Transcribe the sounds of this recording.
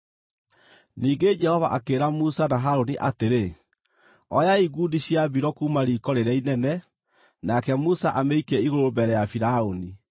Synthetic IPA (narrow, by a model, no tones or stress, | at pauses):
niːɡed͡ʒɛhɔvaʔakeːɾamusanaɦaɾoniʔateɾe | ɔjaiɡudiɕiabiɾɔkuːmaɾiːkɔɾeɾɛinɛnɛ | nakɛmusaʔameikɛiɣoɾobɛɾɛjafiɾaoni